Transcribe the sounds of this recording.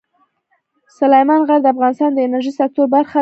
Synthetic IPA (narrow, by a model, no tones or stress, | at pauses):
sʊlajmɑnɣaɾd̪əafɣɑnɪst̪ɑnd̪əɪnaɾʒisak̚t̪oɾbaɾxa